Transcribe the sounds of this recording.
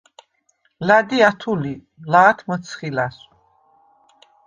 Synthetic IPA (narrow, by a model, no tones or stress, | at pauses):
lad̪iat̪ʰuli | laːt̪ʰmət̪sʰχilas